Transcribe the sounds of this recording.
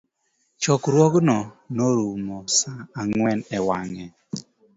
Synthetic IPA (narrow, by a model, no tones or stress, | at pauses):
t͡ʃɔkɾwɔɡnɔnoɾumɔsaːŋwɛnɛwaŋɛ